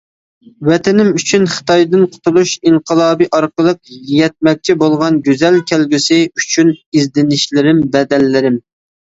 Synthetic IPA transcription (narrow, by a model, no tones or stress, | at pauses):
wɛt̪ʰɪnɪmyt͡ʃʰynχə̥t̪ʰɑjd̪ɨnqʰʊ̥t̪ʰulˠuʃiɴqʰəlˠɑːbiʔɑɾqəlˠəq̚jɛt̪̚mɛk̚ʲt͡ʃʰibolˠʁɑnɡʲøzɛlkʲʰɛlɡʲysɪyt͡ʃʰynizd̪ɪnɪʃlɪɾɪmbɛd̪ɛlːɪɾɪm